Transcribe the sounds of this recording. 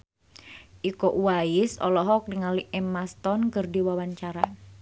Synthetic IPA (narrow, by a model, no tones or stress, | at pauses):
ʔikoʔuwaisɔ̰lɔɦɔk̚diŋaliɛmast̪ɔnkɨrdiwawaɲt͡ʃaɾa